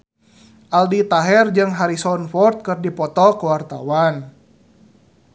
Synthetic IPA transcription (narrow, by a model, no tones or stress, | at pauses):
ʔaldit̪aɦɛrd͡ʒɨŋɦaɾisɔnfɔrt̪̚kɨrdipɔt̪ɔkəwart̪a̰wan